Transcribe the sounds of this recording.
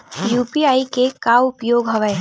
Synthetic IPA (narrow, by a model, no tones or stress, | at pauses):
juːpiaːikekaʋʊpjoːɡɦɐʋəe